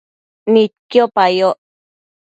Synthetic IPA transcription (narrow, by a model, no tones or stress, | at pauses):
nit̪̚kiopajoʔ